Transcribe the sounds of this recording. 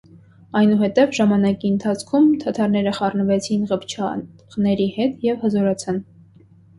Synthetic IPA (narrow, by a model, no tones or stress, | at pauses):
ɑjnuɦhɛt̪ɛvʒɑmɑnɑkiənt̪ʰɑt͡sʰkʰumt̪ʰɑt̪ʰɑɾnɛɾəχɑrnəvɛt͡sʰinʁəpt͡ʃʰɑʁnɛɾihɛt̪jɛvhəzɔɾɑt͡sʰɑn